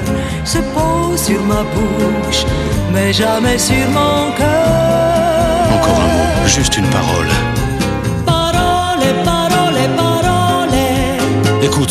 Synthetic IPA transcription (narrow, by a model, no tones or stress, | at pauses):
səpo | syʁmabu | ʃ | mɛʒamɛsyʁmɔ̃kœ | ɑ̃kɔʁɛ̰̃mo | ʒyst̪ynpaʁɔ̰l | paʁɔ | lepaʁɔlepaʁɔle | ekut̪